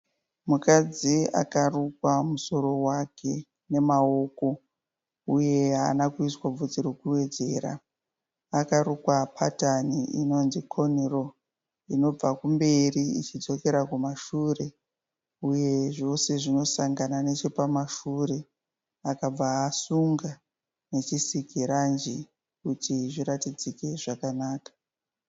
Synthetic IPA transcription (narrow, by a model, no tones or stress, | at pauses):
mukad͡zia̰karukwamuso̞ɾo̞wakʰe̞ | ne̞mao̞ko̞ | uje̞ɦaːnakuiswab͡vud͡zirokuwe̞d͡ze̞ːra̰ | akaɾukwapʰataniʔino̞nzikʰo̞niro̞ | ino̞b͡vakumbe̞riit͡ʃid͡zo̞ke̞ɾakumaʃure̞ | uje̞ʐo̞se̞ʐino̞saŋɡanane̞t͡ʃe̞pamaʃure̞ | akab͡vaːsuŋɡa | ne̞t͡ʃisikiɾand͡ʒi | kutiʐiɾatid͡zike̞ʐakanaːkḁ